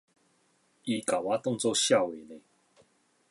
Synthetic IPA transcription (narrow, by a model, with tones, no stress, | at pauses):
i˧ka˨˩wa˥˦t̪ɔ˥˧ŋt͡sɔ˥˧ɕja˥˨we˨ne˨˦